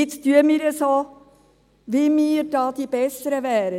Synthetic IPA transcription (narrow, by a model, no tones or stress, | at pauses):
ɪt͡styəmiːɾəsoː | ʋimiːɾd̥ɑːd̥̪ib̥ɛsəɾəʋæːɾə